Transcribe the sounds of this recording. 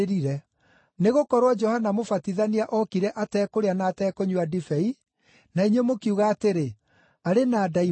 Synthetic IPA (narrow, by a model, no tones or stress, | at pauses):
ɾiɾɛ | neɣokɔɾwɔd͡ʒɔhanamofatiðaniaʔɔkiɾɛʔatɛːkoɾeanaːtɛːkoɲuadifɛi | naiɲwemokiuɣaːteɾe | aɾenaːdai